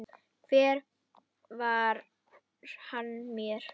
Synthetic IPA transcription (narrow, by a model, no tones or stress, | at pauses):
kvɛːɾ | vaɾ | ɾ̥hanmjɛɾ̥